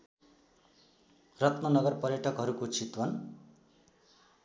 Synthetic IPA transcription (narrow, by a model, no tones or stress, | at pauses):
rʌt̪mʌnʌɡʌrpʌrjʌʈʰʌkɦʌɾukot͡sʰit̪wʌn